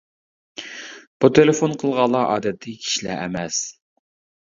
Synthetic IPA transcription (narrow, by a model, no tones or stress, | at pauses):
b̥ut̪ʰelefonqʰəlˠʁɑlˠɑʔɑ̰ːd̪ɛt̪ʰːɪkʲʰi̥ʃlɛ̰ʔɛmɛs